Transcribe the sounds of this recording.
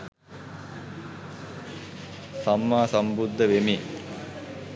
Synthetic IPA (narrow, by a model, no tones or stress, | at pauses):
samːaːsambud̪ʱːəʋemi